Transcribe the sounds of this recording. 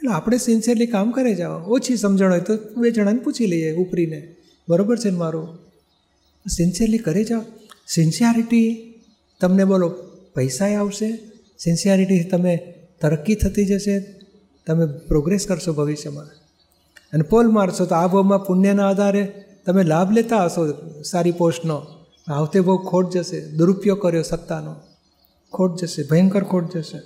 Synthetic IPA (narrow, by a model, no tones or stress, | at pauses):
eloapɽ̃esɪnsiəɾlikamkəɾed͡ʒaʋoot͡ʃʰisəmd͡ʒəɳ̃ɦojt̪obed͡ʒəɽ̃aniput͡ʃʰiləieupɾine | bəɾobəɾt͡ʃʰenmaɾu | sɪnsiəɾlikəɾed͡ʒaosɪnsijəɾiʈi | t̪əmnebolopəjsaeaʋʃe | sɪnsjaɾiʈit̪əme | t̪əɾəkːit̪ʰət̪id͡ʒəʃe | t̪əmepɾoɡɾeskəɾʃobʱəʋiʃjəmã | ənepolmaɾʃot̪oabʱomãpʊnjənaəd̪ʱaɾet̪əmelabʱlet̪aɦəʃosaɾipoʃno | aʋt̪ebəukʰoʈ̚d͡ʒəʃed̪uɾupjokəɾjosət̪ːano | kʰoʈ̚d͡ʒəʃebʱəjəŋkəɾkʰoʈ̚d͡ʒəʃe